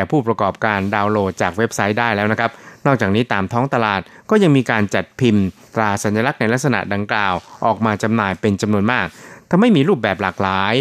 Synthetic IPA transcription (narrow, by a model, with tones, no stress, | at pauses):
ɛː˨˩pʰuː˥˩pɾa˧kɔː˨˩p̚kaː˧ndaː˧wloː˧˩t̪̚t͡ɕaː˨˩k̚we˦˥p̚sa˦˥jdaː˥˩jlɛː˦˥wna˦˥kʰp̚nɔ˥˩k̚t͡ɕaː˨˩k̚niː˦˥t̪aː˧mt̪ʰɔː˦˥ŋt̪a˧laː˨˩t̪̚kɔː˥˩ja˧ŋmiː˧kaː˧nt͡ɕa˨˩t̪̚pʰi˧mt̪ɾaː˧˩sa˨˩˦nja˧la˦˥k̚na˧jla˦˥k̚sa˧na̰˨˩ʔda˧ŋklaː˨˩wʔɔː˨˩k̚maː˧t͡ɕa˧mnaː˧jpe˧nt͡ɕa˧mnu˧ənmaː˥˩k̚t̪ʰa˧ma˥˩jmiː˧ɾuː˥˩p̚bɛː˨˩p̚laː˨˩k̚laː˨˦j